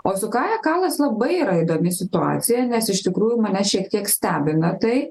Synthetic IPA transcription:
oːsʊkɑːjɛkɑːlˠɐslˠɐbɐɪiːɾɐɪd̪oːmʲɪsʲɪt̪ʊɑ̰ːt̪sʲɪjɛnʲɛsɪʃt̪ʲɪkɾuːjʊmɐnʲɛʃʲiɛk̚t̪ʲiɛksʲt̪ʲæːbʲɪnɐt̪ɐɪ

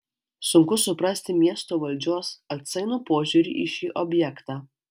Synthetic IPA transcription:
sʊŋkʊsʊpɾɐsʲt̪ʲɪmʲiɛst̪oːʋɐlʲd͡ʒʲuɔsɐt̪sɐɪnuːpoːʒʲuːɾʲḭːʔɪʃʲiːʔɔbʲjɛkt̪ɑː

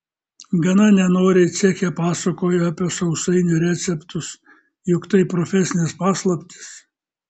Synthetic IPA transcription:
ɡɐnɐnʲɛnoːɾʲɪt̪sʲiɛkʲɛpɑːsɐkoːjoɑpʲiɛsɐʊsɐɪnʲʊɾʲæːt̪sʲɛpt̪ʊs | jʊkt̪ɐɪpɾɔfʲɛsʲɪnʲɪspɑːslˠɐpʲt̪ʲɪ̥s

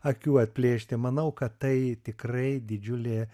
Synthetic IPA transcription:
ɐkʲuːɐt̪ʲpʲlʲeːʃʲt̪ʲɪmɐnɐʊkɐt̪t̪ɐɪt̪ʲɪkrɐɪd̪ʲɪd͡ʒʲʊlʲe

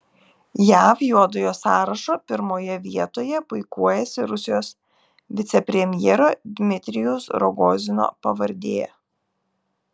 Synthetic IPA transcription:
jæːfjuɔd̪ojoːsɑːɾɐʃoːpʲɪɾmoːjɛʋʲiɛt̪oːjɛpʊɪkuɔjɛsʲɪɾʊsʲɪjoːs | ʋʲɪt̪sʲɛpʲɾʲɛmʲjɛːɾoːd̪ʲmʲɪt̪ʲɾʲɪjʊsɾɔɡoːzʲɪno̰ːpɐʋɐɾʲd̪ʲeːjɛ̰

